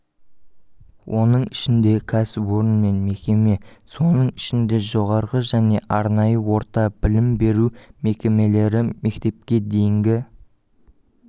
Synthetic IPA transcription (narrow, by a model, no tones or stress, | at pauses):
wʔo̞nəɴɪʃɪnd̪e̞kʲʰæsɪpwo̞ɾənme̞nme̞kʲe̞me̞so̞nəɴɪʃɪnd̪e̞ʒo̞ʁɑɾʁəʒæne̞ʔɑɾnɑjəwo̞ɾt̪ɑb̥ɪlɪmbe̞ɾume̞kʲe̞me̞le̞ɾɪme̞kt̪e̞p̚kʲe̞d̪e̞jɪŋɡʲɪ